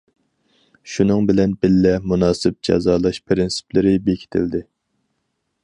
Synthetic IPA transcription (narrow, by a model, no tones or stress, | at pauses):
ʃunɨŋbɪlɛnbɪlːɛmunɑːsɪp̚d͡ʒɑ̰zɑːlˠɑʃpʰɾɪnsi̥pʰlɪɾɪbekʲʰi̥t̪ʰɪ̰ld̪ɪ